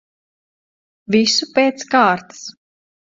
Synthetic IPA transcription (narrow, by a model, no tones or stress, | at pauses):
visupeːt̪skaːɾt̪ḁs